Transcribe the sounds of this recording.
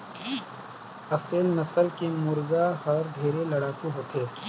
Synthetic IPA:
ɐseːlnɐsəlkemʊɾɡaɦɐɾɖ̪ʱeːɾelɐɽaːkuɦoːt̪ʰeː

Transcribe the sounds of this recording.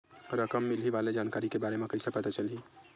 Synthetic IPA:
ɾəkəmːilɦiʋaled͡ʒankaɾikebaɾemekəɾisəpət̪at͡ʃəlɦi

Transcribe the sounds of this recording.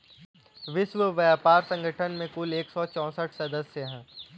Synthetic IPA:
ʋɪʃʋəʋɐjaːpaːɾsɐ̃ŋɡʱəʈʰənmẽkʊleːksɔt͡ʃɔ̃ːsəʈʰsɐd̪əsjəɦɛ̃ː

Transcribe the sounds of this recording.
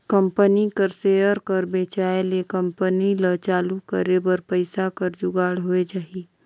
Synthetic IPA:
kəmpənikəɾseːjəɾkəɾbeːt͡ʃaːelekə̃mpənilət͡ʃaːlukəɾebəɾpəɪsakəɾd͡ʒʊɡaːɽɦoed͡ʒaːɦi

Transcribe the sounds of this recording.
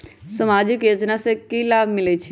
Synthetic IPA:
səmaːd͡ʒɪkjoːd͡ʒnasekilaːbʱmɪlət͡ʃʰi

